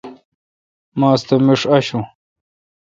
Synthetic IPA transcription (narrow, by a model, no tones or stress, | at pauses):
maːst̪emiʂɐɕũ